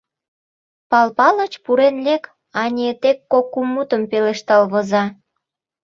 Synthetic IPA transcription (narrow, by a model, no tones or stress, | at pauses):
pɑlpɑlə̆t͡ɕpuɾenlʲek | ɑnʲet̪ekːokːumːut̪əmpeleʃt̪ɑlβɤ̆zɑ